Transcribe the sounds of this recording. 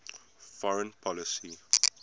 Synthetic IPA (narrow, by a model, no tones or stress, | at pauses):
fɔɹə̃npʰɔlisi